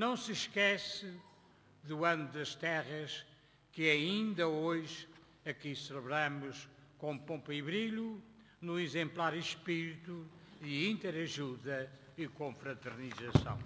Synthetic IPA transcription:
nɐ̃w̃sɨʃkɛsɨ | ðuɐ̃nuðɐʃt̪ɛʁɐʃ | kɨɐĩnd̪ɐoʒ | ɐkisɨlˠɨβɾamuʃkõpõmpiβɾiʎu | nuizẽmplˠaɾiʃpiɾit̪uɨĩnt̪ɛɾɐʒuðɐikõfɾɐt̪ɨɾnizɐsɐ̰̃w̃

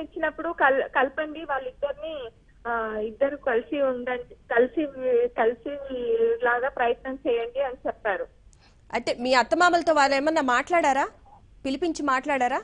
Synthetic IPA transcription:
iɲt͡ʃːinɐpːuɽukɐlkɐlpɐɳɖiʋaːɭːid̪ːɐɾini | id̪ːɐɾikɐlisiund̪ɐɳɖikɐlisikɐlisilaːɡaːpɾɐjɐt̪nɐmt͡ʃɛːjɐɳɖiɐnit͡ʃɛpːaːɾu | ɐ̰ʈeːmiːɐt̪ːɐmaːmɐlɐt̪o̞ːʋaːɭːeːmɐnːɐːmaːʈlaːɽaːɾaː | pilipiɲt͡ʃimaːʈlaːɽaːɾaː

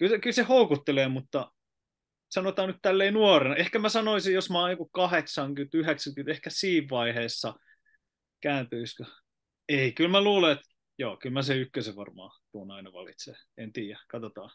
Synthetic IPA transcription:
kylkylsehoukut̪ːeleːmut̪ːɑ | sɑnot̪ɑːnnyt̪t̪ælːeinuorenɑʔehkæmæsɑnoisijjosmɑːoŋkukɑheksɑŋkyt̪yheksɑŋkyt̪ehkæsiːʋʋɑiheːsːɑ | kæːnt̪yiskø | eikylmæluːleet̪ | joːkylmæseykːøseʋɑ̰rmɑ̰ːt̪uonɑinɑʋɑ̰lḭt̪sḛː | ent̪iːjækɑt̪ot̪ɑ̰ː

